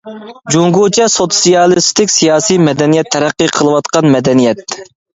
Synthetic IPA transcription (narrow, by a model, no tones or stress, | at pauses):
d͡ʒuŋɡut͡ʃʰɛsot̪sijɑlˠɨst̪ɪkʲsijɑːsijmɛd̪ɛnijɛt̪ʰːɛɾæqːɨqʰəlˠɨwɑt̪qɑnmɛd̪ɛnijɛt̪̚